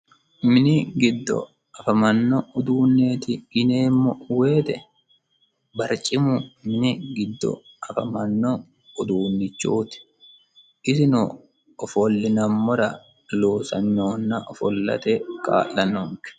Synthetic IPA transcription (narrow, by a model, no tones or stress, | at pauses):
mɪnɪɡɪd̪ːɔ̰ | ɐfɐmɐnːɔʊd̪uːnːe̞ːt̪ɪɡɪneːmːɔwe̞ːt̪ɛ | bɐɾt͡ʃʼɪmʊmɪnɪɡɪd̪ːɔ̰ | ɐfɐmɐnːɔ | ʊd̪uːnːɪt͡ʃːuːt̪ɪ̥ | ʔɪsɪnʊ | ɔfɔlːɪnɐmːɔɾɐ | loːsɐnːoːnːɐʔɔfɔlːɐ̰t̪ɛkʼa̰ːlːɐnoŋkɛ̥